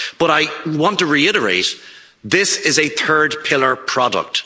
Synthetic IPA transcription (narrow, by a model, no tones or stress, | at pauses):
b̥ʌɾaɪwɑ̃ntəɹiɪɾəɹḛɪt | ðɪsɪzɨθʰɜ˞d̚pʰɪlˠə˞pʰɹ̥ɑdə̰k̚t